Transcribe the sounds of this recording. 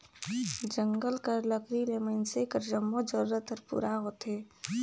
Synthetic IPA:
d͡ʒə̃ŋɡəlkəɾləkɾilemənsekəɾd͡ʒəmːod͡ʒəɾɾət̪əɾpṵːɾaɦoːt̪ɦeː

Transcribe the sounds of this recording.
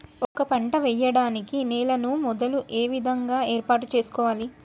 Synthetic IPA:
ɔkɐpɐɳʈɐʋɛjːɐɽaːnikinɛːlɐnumɔd̪ɐluʔeːʋid̪ʱɐŋɡaːe̞ːɾpaːʈut͡ʃe̞ːsu̥kɔːʋaːli

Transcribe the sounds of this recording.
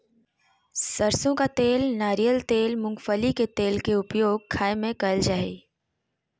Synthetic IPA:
səɾsõkat̪eːlnaːɾijəlt̪eːlmʊ̃ŋɡfəliket̪eːlkeʊpjoːɡ̚kʰːaːemẽkɐld͡ʒaːe

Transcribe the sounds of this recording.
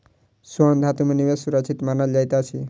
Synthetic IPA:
suɔnd̪ʱat̪umenimesuɾat͡ʃʰit̪manad͡ʒajt̪eat͡ʃʰi

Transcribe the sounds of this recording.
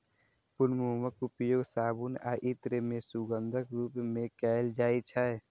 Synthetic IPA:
pʊnmuːməkʊpjoːɡsaːbuna̰ːʔɪt̪ɾemẽsuɡənd̪ʱəkɾuːpmẽkɛld͡ʒaːit͡ʃʰaɛ

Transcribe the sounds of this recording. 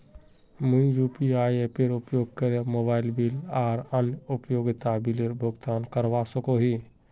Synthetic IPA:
muĩjupiajepeɾupjoɡ̚kəɾemobaɪlbilaːɾənupjoɡit̪abileɾbʱoɡt̪ankəɾʋasəkoɦi

